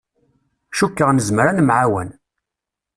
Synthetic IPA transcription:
ʃukːəʁnəzmɾanmʕawæ̰n

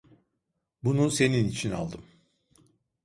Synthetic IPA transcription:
bunuse̞ninit͡ʃʰina̰lˠd̪ɯm

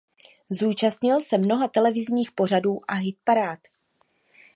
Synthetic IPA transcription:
zuːt͡ʃastɲɪlsɛmno̞ɦat̪ɛlɛvɪzɲiːxpo̞raduːʔaɦɪt̪̚paɾaːt̪

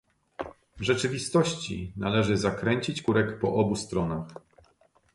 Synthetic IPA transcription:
vʐɛt͡ʂɘvʲist̪ɔɕt͡ɕḭnalɛʐɘzakɾɛɲt͡ɕit͡ɕkuɾɛkpɔʔɔbust̪ɾɔnax

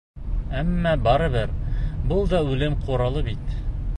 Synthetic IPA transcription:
æmːæbɑɾɤ̆βɘɾbɤlˠd̪ɑʉlɘmqʰuɾɑlˠɤbit̪

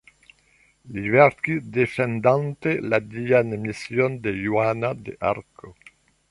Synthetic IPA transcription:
livɛɾkid̪efend̪ãnt̪elad̪ianmisjond̪ejwanad̪ḛʔa̰ɾkʰo

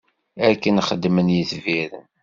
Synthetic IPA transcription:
ækːənχəd̪ːmənjiθviɾən

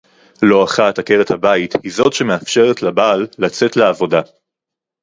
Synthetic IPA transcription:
lo̞aχatake̞ʁethabaithizo̞tʃe̞meafʃe̞ʁetlabaːlːat͡se̞tleavo̞da

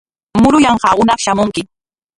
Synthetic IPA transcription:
mʊɾʊjɑɴɢɑːʊnɑχʃamʊŋkɪ

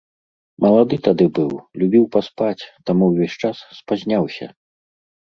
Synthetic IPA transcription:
mʔɐlˠad̪ɨt̪ad̪ɨbɨwlʲubʲiwpaspat͡sʲt̪amuwvʲɔsʲt͡ʂasːpazʲnʲawsʲɐ̰

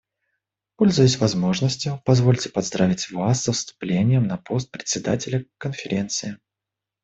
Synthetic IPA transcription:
po̞lʲzʊjʊsʲvɐzmo̞ʐnəsʲtʲjʊpɐzvo̞lʲtʲɪ̥pɐzd̪ɾavʲɪtʲvasːəfst̪ʊ̥plʲenʲɪjəmnɐpʰo̞st̪̚pɾʲɪt̪ʲsʲɪd̪a̰tʲɪlʲəkənfʲɪɾʲe̞nt̪sɨɪ

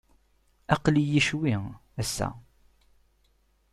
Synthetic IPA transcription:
ɑqlijiʃwiŋæsːæ̰

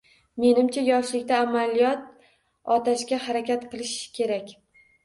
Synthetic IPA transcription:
me̞nɪmt͡ʃʰajɒʃlɪkʲt̪aːmalijɒt̪̚ | ɒt̪ʰaʃkʲahaɾakʲat̪qɨlˠɪʃkʲʰe̞ɾakʲ

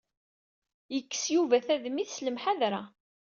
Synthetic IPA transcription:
jəkːə̥sjuvæθæðmiθsləmħaðɾa

